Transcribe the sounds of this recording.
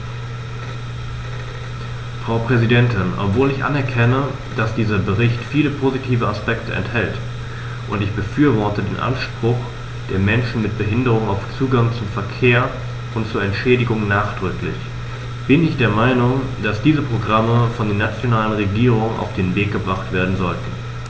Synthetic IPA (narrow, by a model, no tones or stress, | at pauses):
fʁ̥aʊpʁ̥ɛzidɛntʰɪnʔɔ̰pv̥oːlɪçʔa̰nɛɐkʰɛnə | d̥asd̥iːzɐbəʁɪçtfiːləpʰoːzitʰiːvəaspɛktʰəɛ̰nthɛlt | ʔʊntɪçb̥əfyːɐvɔɐtədeːnʔa̰nʃpʁ̥ʊχ | d̥eːɐmɛnʃn̩mɪt̚b̥əɦɪndəʁ̞ʊŋaʊft͡suːɡaŋt͡sʊmfɛɐkʰeːɐ | ʊntt͡suːɐɛntʃɛːdɪɡʊŋnaːχd̥ʁʏklɪ̰ç | b̥ɪnɪçd̥eːɐmaɪnʊŋd̥asd̥iːzəpʁ̥oɡʁaməfɔndeːɐnat͡sjonaːlənʁeɡiːʁʊŋnʔa̰ʊfd̥eːnveːk̚ɡ̥əbʁaχtv̥eːɐdn̩zɔltn̩